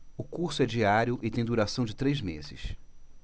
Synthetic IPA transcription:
ʊkuɾsʊɛd͡ʒiaɾjʊʔɪt̪ẽj̃d̪uɾasɐ̃w̃d͡ʒɪt̪ɾejzmḛzɪ̰s

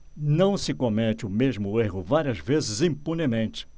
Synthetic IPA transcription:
nɐ̃w̃sɪkomɛt͡ʃɪʊmeʒmʊeɦʊvaɾiɐzvezɪzĩpunemẽnt͡ʃɪ̥

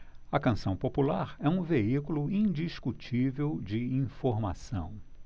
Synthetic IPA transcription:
ɐkɐ̃sɐ̃w̃populaɾɛũveikuluĩd͡ʒiʃkut͡ʃivewd͡ʒɪĩfoɾma̰sɐ̰̃w̃

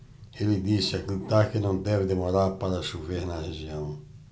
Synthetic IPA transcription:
elɪd̪isɪɐkilt̪akɪnɐ̃w̃d̪ɛvɪd̪emoɾaɾpaɾɐsuveɾnɐreʒiɐ̃w̃

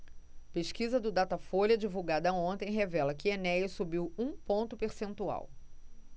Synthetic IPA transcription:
peʃkizɐd̪ʊd̪at̪ɐfolʲɐd͡ʒivuwɡad̪ɐõnt̪ẽj̃ɦevɛlɐkɪenɛjɪsubiwũpõnt̪ʊpeɾsẽnt̪ua̰w

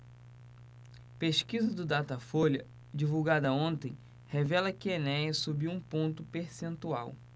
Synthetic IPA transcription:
peʃkizɐd̪ʊd̪at̪ɐfolɐ | d͡ʒivuwɡad̪ɐõnt̪ẽj̃ | hevɛlɐkɪenɛ̃jɐsubiwũpõnt̪ʊpeɾsẽnt̪ua̰w

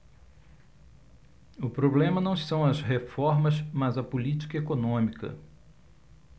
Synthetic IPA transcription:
ʊpɾoblẽmɐnɐ̃w̃sɐ̃w̃ɐzɦefɔɾmɐzmɐzɐpulit͡ʃi̥kɐekonõmikɐ̰

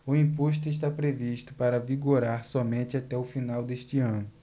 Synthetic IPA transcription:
ʊĩpoʃ̬t̪ʊiʃt̪apɾeviʃt̪ʊpaɾɐviɡoɾaɾsɔmẽnt͡ʃɪat̪ɛʊfinawd̪eʃt͡ʃɪɐ̃nʊ

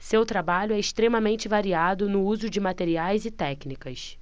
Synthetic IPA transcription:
sewt̪ɾabaʎʊɛɪʃt̪ɾẽmɐmẽnt͡ʃɪvaɾiad̪ʊnʊuzʊd͡ʒɪmat̪eɾiajzɪt̪ɛknikɐs

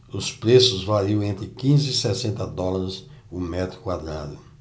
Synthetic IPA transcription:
ʊspɾesʊzvaɾiõw̃ẽnt̪ɾɪkĩzɪːsɛsẽnt̪ɐd̪ɔlaɾɪs | ʊmɛt̪ɾʊkwad̪ɾa̰d̪ʊ

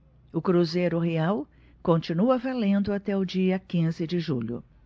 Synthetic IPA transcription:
ʊkɾuzejɾʊɦeaw | kõnt͡ʃinuɐvalẽnd̪ʊat̪ɛʊd͡ʒiɐkĩzɪd͡ʒɪʒuʎʊ̰

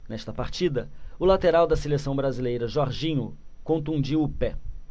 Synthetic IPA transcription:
nɛst̪ɐpaɾt͡ʃid̪ɐʊlat̪eɾawd̪ɐselesɐ̃w̃bɾazilejɾɐʒɔɾʒĩɲʊkõnt̪ũnd͡ʒiwʊpɛ

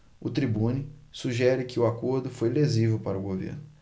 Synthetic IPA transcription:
ʊt̪ɾibũnisuʒɛɾɪkɪʊakoɾd̪ʊfojlezivewpaɾʊɡovḛɾnʊ

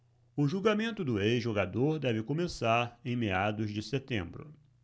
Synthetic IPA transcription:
ʊʒuɡamẽnt̪ʊd̪ʊeʒoɡad̪oɾd̪ɛvɪkõmesaɾẽj̃mead̪ʊzd͡ʒɪset̪ḛ̃mbɾʊ̰

